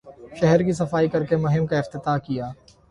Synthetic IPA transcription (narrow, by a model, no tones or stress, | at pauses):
ʃɛɦɛɾkis̬ɐfaːikɐɾkemʊɦɪmkaɪft̪ɪt̪aːkijaː